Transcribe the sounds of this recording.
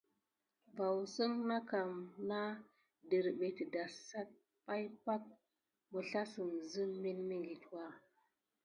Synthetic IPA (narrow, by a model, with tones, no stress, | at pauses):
va˨wsə˦ŋna˦ka˨mna˦ | də˨ɾbe˨tə˨da˨sa˦t̚ | pa˦jpa˦k̚ | mə˨ɬa˦sə˨mzə˦nmi˦nmi˦ŋɡi˨twa˦˨